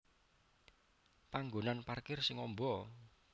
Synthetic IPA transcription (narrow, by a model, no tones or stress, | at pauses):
paŋɡonanparkɪrsɪŋɔmbɔ